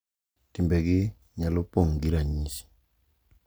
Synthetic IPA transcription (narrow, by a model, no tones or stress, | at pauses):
timbɛɡɪ | ɲalɔpɔŋɡiɾaɲisi̥